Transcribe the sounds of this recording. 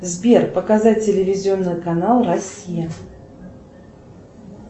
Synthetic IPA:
zʲbʲerpəkazat̚ːʲɪlʲɪvʲɪzʲɪonːɨjkanalˠrasʲijɐ

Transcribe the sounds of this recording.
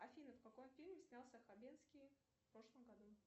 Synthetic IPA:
ɐfʲinəfkɐkomfʲilʲmʲɪsʲnʲalˠsʲəxɐbʲenskʲi | fpɾo̞ʂlˠəmɡɐd̪u

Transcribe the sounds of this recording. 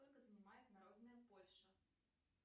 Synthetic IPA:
t̪ɔlʲkɐzɐnʲɪmajʊt̪ʲnaɾɔd̪nɨjɐpɔlʲʂɐ

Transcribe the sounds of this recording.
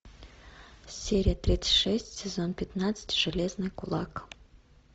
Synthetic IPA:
sʲeɾʲijət̪ɾʲit̪sɨ̥tʲʂɛsʲtʲsʲɛzonpʲɪt̪nat̪sɨ̥tʲʐ̥ɨlʲeznɨjkʊlˠɑk

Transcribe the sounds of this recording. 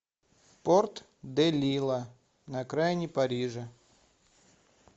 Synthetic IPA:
port̪ | d̪ɛlʲilˠə | nɐkɾajnʲɪpɐɾʲiʐə

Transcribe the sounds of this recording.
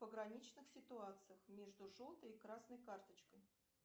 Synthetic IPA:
pəɡɾɐnʲit͡ɕnɨxsʲɪt̪ʊat̪sɨjəxmʲeʐd̪ʊʐolˠt̪əjkɾasnəjkart̪ət͡ɕkəj

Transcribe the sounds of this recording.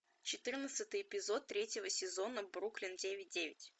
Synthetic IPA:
t͡ɕɪt̪ɨrnət̪sɨt̪ɨjɪpʲɪzo̞t̪ːɾʲetʲjɪvəsʲɪzo̞nəbɾuklʲɪndʲevʲɪt̚ʲdʲevʲɪtʲ

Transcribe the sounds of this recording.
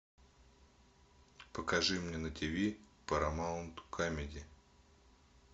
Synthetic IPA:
pəkɐʐɨmnʲenətʲɪvʲipəɾɐmaʊnt̪kʰamʲɪdʲɪ

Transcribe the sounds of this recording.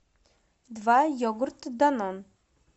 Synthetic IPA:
d̪vajɔɡʊɾt̪d̪anɔn

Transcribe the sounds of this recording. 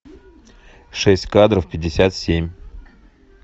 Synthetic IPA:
ʂɛsʲtʲkad̪ɾəfpʲɪdʲːɪsʲat̪sʲemʲ

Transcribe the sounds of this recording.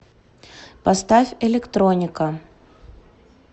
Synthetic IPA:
pɐst̪afʲɛlʲɪkt̪ɾonʲɪkə

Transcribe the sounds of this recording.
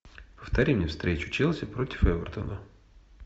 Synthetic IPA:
pə̥ft̪ɐɾʲimnʲefst̪ɾʲet͡ɕʊ̥t͡ɕelˠsʲɪpɾotʲɪ̥fɛvʲərt̪ə̰nə

